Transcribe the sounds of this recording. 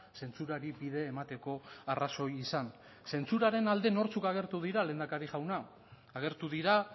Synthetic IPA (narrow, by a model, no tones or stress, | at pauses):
se̞nt͡suɾaɾibiðe̞ːmat̪e̞ko̞araso̞jisan | se̞nt͡suɾaɾe̞nald̪e̞no̞ɾt͡sukaɣ̞e̞ɾt̪uðiɾale̞ːnd̪akaɾiʝawnaː | ɣ̞e̞ɾt̪uðiɾa